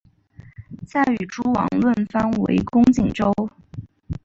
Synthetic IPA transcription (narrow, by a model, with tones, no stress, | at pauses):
t͡sa˥˩ɪy˨˩ʈ͡ʂʰu˥wɑ̰˨˩ŋlwə˥˩nfa˥nwḛ˧˥ɪkʊ˥ŋt͡ɕi˨˩ŋʈ͡ʂo˥ʊ